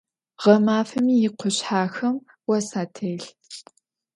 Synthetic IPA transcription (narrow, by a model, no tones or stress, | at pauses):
ʁɐmaːfɐmiːjɪqʷʊɕħaːxɐm | wɐsaːtʰeːɬ